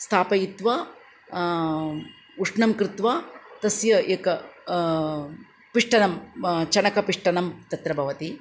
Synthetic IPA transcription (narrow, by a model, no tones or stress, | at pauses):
st̪ʰaːpɐjit̪ʋaː | uʂɳɐmkɾɪt̪ʋaːt̪ɐsjɐeːkɐ | piʂʈɐnɐmt͡ʃɐnɐkɐpiʂʈɐnɐmt̪ɐt̪ɾɐbʱɐʋɐt̪i